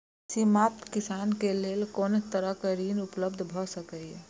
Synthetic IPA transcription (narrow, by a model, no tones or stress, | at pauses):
simat̪kɪsankelelkoːnt̪əɾəkəɾinupləbd̪ʱbʱɔsəkə